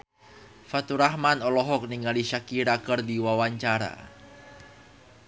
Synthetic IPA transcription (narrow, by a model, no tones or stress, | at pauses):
fat̪uɾahmanɔlɔɦɔk̚niŋaliʃakiɾakərdiwawaɲt͡ʃaɾa̰